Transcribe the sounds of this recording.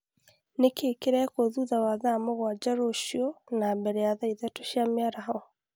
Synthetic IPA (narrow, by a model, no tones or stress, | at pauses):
nekeːkeɾɛkoðuðawaðamoɣwad͡ʒaɾoʃionambɛɾɛjaðaiðɛtoʃiameaɾahɔ